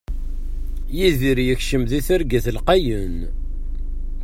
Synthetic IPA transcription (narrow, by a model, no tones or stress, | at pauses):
jiðiɾjəçʃəmðiθəɾɡæθlqɑjən